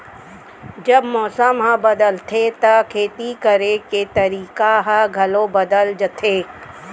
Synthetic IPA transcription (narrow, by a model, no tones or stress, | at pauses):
d͡ʒɐbmɔːsəmɦãbɐd̪əlt̪ʰet̪ɐkʰeːt̪ikɐɾeket̪ɐɾiːkaɦãɡʱɐlobɐd̪əld͡ʒət̪ʰeː